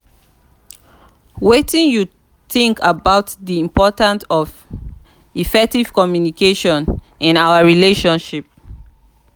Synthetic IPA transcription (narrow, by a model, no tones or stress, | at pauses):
wetĩnju | θĩŋkʰabaʊtðiĩmpɔtãntɔv | ifɛk̚tiv̥kɔmjunikʰeʃɔ̃n | ĩnaʊəɹileʃɔ̃nʃip̚